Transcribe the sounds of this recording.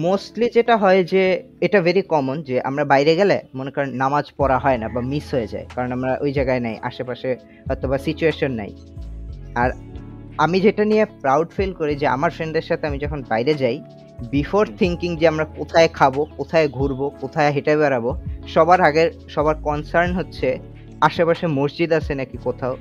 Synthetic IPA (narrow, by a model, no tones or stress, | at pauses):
mosʈlid͡ʑeʈaɦɔed͡ʑe | eʈaveɾikɔmond͡ʑeʔa̰mɾabajɾeɡɛlemonekɔɾonːamad͡ʑpɔɾaɦɔenabamisɦojed͡ʑa̰ekaɾonamɾaʔojd͡ʑaeɡaenajʔa̰ʃepaʃe | ɦɔet̪obasit͡ɕueʃonːa̰j | aɾamid͡ʑeʈanijepɾawɖfelkoɾid͡ʑea̰maɾfɾenɖeɾʃat̪ʰeamid͡ʑɔkʰonbajɾed͡ʑaj | bifoɾt̪ʰiŋkiŋd͡ʑeamɾakot̪ʰaekʰabokot̪ʰaeɡʱuɾbokot̪ʰaeɦeʈebɛɾaboʃɔbaɾaɡeɾʃɔbaɾkɔnsaɾnɦotːɕʰe | aʃepaʃemosd͡ʑid̪asenɛkikot̪ʰao